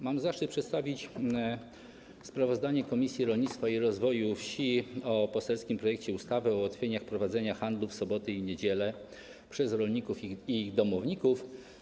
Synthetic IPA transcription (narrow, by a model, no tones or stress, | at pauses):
mamzaʂt͡ʂɘɨt̪pʂɛt̪st̪avʲit͡ɕ | spɾavɔzd̪aɲɛkɔmʲisʲjiɾɔlɲit̪st̪faiɾɔzvɔjufɕiɔpɔsɛlskʲimpɾɔjɛk̚t͡ɕɛust̪avɛɔwat̪fʲjeɲaxpɾɔvad̪zɛɲaxand̪lufsɔbɔt̪ɘiɲed͡ʑɛlɛ | pʂɛzɾɔlɲikufiiɣd̪ɔmɔvɲikuf